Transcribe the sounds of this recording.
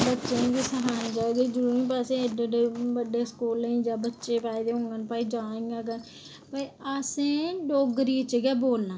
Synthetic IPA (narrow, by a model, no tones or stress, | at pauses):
bətːʃẽːkiːsəɦaːĩːd͡ʒaːeːɡiːd͡ʒəɾuːɾĩːpaːseːdəɖeːbəɖeːskuːlĩːd͡ʒaːbətːʃeːpaːid̪eːɦõːŋɡənpaːiːd͡ʒãːĩɡaːɡə | paːiəsẽːɖoːɡəɾiːt͡ʃɡɛːboːlnaː